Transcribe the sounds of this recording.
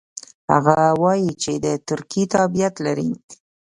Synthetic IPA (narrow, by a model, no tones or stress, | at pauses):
ha̰ɣawɑjit͡ʃed̪ət̪ʊɾkit̪abijat̪laɾḭ